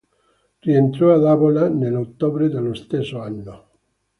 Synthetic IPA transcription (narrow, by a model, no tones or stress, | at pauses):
reent̪ɾoaðaβolanelot̪oβɾeðelest̪esoanːo